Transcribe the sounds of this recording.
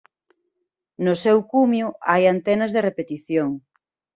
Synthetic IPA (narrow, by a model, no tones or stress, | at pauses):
nʊsewkumjʊʔajant̪ɛnɐzðerepet̪iθjoŋ